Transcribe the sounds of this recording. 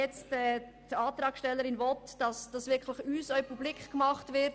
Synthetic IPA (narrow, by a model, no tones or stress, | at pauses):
ɛt͡stɛː | tɑːtɾɑːkʃtɛlːəɾɪnvɔtd̥ɑsd̥ɑsvɪɾkʰləχyːsœʏpublikχkmɑχtvɪt